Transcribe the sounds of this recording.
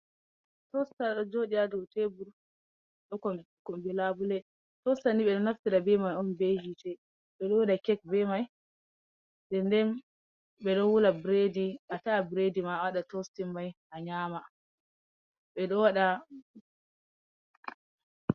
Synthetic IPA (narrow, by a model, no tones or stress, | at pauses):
tɔstaɗɔd͡ʒoɗiadɔwtebuɾ | ɗɔkɔ | kɔmbilabulɛ | tɔstaniɓɛɗɔnaftiɾabɛmajɔnbed͡ʒitɛ | ɓɛɗɔwaɗakɛk̚bɛmaj | dɛndɛn | ɓɛɗɔwulabɾediʔatabɾedimawaɗatɔstimːajhaɲaːma | ɓɛɗɔwaɗa